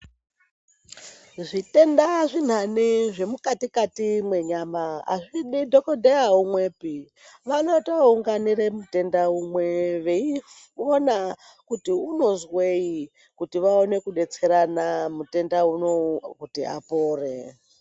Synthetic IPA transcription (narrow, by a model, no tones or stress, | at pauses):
ʐite̞ndaʐin̤aniʐe̞mukatikatimwe̞ɲamaa̰ʐiɗidʱokodʱeaumweːpi | ʋanotoauŋɡaniɾemute̞ndaumwe̞ʋei | ona | kutiuno̞zwei | kutiʋao̞ne̞kuɗe̞t͡se̞ɾanamute̞ndaunokutia̰poːre